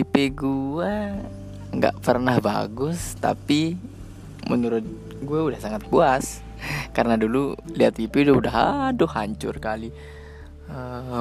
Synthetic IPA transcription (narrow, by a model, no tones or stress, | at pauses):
ipeɡua | ŋɡa̰ʔpərnahba̰ɡʊst̪a̰pi | mə̰nuɾʊt̪̚ | ɡuaudahsaŋat̪̚buas | karənadululiat̪ipeudaudaɦa̰dʊhaɲt͡ʃʊ̰rkali | ə